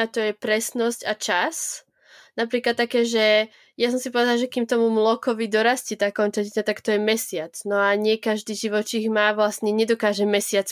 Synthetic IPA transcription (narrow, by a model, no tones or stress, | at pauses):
at̪ɔjɛpɾɛsnɔscat͡ʃas | napɾiːklat̪ːakɛːʒɛ | jasɔmsipɔʋɛd̪alaʒɛkimt̪ɔmumlɔkɔʋid̪ɔɾascit̪aːkɔnt͡saɛɲat̪akt̪ɔjɛmɛsɪat͡snɔaɲɪɛkaʒd̪iːʒiʋɔt͡ʃiɣmaːʋlasɲɛɲɛd̪ɔkaːʒɛmɛsɪat͡s